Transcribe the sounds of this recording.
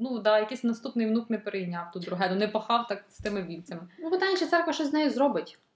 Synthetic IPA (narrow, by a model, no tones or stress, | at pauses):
nud̪ɑjɐkisʲnɐst̪upnɪjʋnuknɛpeɾejnʲɑwt̪ut̪d̪ɾʊɦɛd̪ɔnɛpɐxɑwt̪ɑkst̪ɪmɪʋʲilʲt͡sʲɐmɪnupɪt̪ɑjnʲt͡ʃɛt̪sɛrkʋɐʃɛzʲnɛjizrɔbɪtʲ